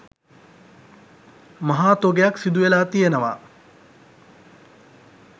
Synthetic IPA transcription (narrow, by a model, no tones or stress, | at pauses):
mɐɦaːt̪oɡejaksid̪uʋelaːt̪ijenəʋa̰